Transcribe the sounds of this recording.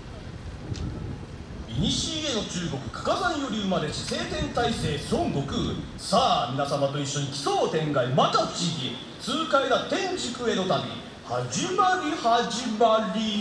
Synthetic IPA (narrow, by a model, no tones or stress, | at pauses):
iɲ̟iɕiːeno̞t͡ɕɨːɡo̞kɯ̟̥kḁkazãɰ̃jo̞ɾʲiɯmad̪e̞ɕise̞ːt̪ẽ̞nt̪aise̞ːsõ̞ŋɡo̞kɯ̟ | saːmʲinasamat̪o̞iɕːo̞ɲ̟ikʲi̥soːt̪ẽ̞ŋɡaimat̪ḁt͡ɕiɡʲi | t͡sɨːkaeɡat̪ẽ̞ɲd͡ʑikɯ̟e̞d̪o̞t̪abʲḭ | had͡ʑimaɾʲihaʑimaɾʲi